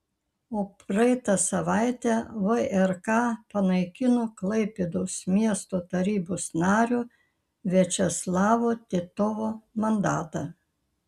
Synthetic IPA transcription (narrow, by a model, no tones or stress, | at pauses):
oːpɾɐɪt̪ɑsɐʋɑɪt̪ʲɛʋɐɛɾkɑːpɐnɐɪkʲɪnoːklˠɐɪpʲed̪ɐʊsmʲiɛst̪oːt̪ɐɾʲiːboːsnɑːɾʲuː | ʋʲɛt͡ʃʲɛslˠɑːʋoːt̪ʲɪt̪ɔʋoːmɐnd̪ɑːt̪ɑ